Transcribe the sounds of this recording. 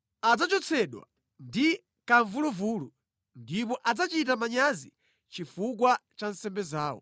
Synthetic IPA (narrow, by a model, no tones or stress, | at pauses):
ad͡zat͡ʃɔt͡sʰɛɗwa̰ | ndi | kaɱvuluvuːlu | ndip̬ɔʔad͡zat͡ʃit̬amaɲazi | t͡ʃifuk̬wat͡ʃansɛmbɛzaːwɔ̰